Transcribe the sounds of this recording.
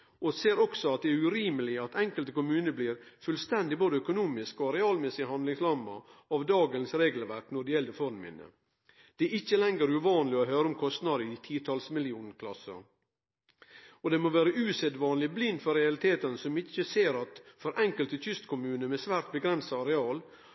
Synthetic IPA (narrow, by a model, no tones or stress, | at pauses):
ʔɔseːɾɔksɔɑt̪̚d̪ɛæɾʉɾiːməlɪɑt̪ʰɛŋkəlt̪əkʊmʉːnəbliːɾfʉlst̪ɛnd̪ɪboːd̪əœkʊnuːmɪskɔɾɛɑːlmɛsɪəhɑnd̪lɪŋslɑmɑɑʋd̪ɑːɡənsɾeːɡlʋæɾknɔɖɛjɛld̪əfɔɾnmɪ̰nə̰ | d̪̥ɛɪçːəlɛŋɡəɾʉʋɑːnlɪɔɦøːɾəʊmkʰɔst̪nɑd̪əɪt̪ʰiːt̪ʰɑlsmɪlɪuːnkʰlɑsə̰ | ɔd̪ɛmoːʋæːɾəʔʉːsed̪ʋɑːnlɪblɪnd̪fɔɾɛɑlɪt̪ʰeːt̪ənsɔmɪçːəseːɾɑt̪fɔɾʔɛŋkəlt̪əçʏst̪kʰʊmʉːnəmɛsʋæːɾt̪̚bəɡɾɛnsɑɑɾɛɑːl